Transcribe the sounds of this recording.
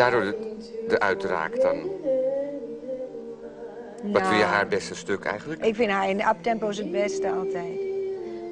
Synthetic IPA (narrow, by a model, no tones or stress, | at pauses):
aːdʊɹdəʔœɥtra̰ːkdɑ̰n | ɔɪljəɦaːɹbɛstəstøkʰɛ̰jχənləkɪkfɪnhaːɪnʔɑp̚tɛmpows̬əd̚bɛstəɑlˠtɛjt